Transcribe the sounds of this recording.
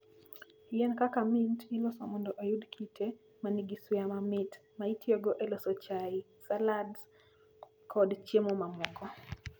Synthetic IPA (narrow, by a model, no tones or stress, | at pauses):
jɛnkakamintilɔsamundɔʔajudkʰitʰɛ | maniɡiswjamamitmaitʰiɔɡɔʔɛlɔsɔt͡ʃai | saladz | kʰɔdt͡ʃemɔmamɔɡɔ